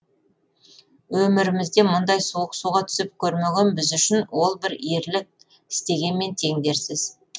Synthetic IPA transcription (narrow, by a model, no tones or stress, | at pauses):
wɵmɪɾɪmɪzd̪e̞mʊnd̪ɑjsoəqsuʁɑt̪ʰʏ̥sɪp̚kʲʰɵɾmeɡʲenbɪzʏʃɪnwo̞lˠbɪɾeɾlɪk̚ | ɪ̥st̪e̞ɡʲe̞nme̞nt̪ʰe̞ŋd̪e̞ɾsɪz̥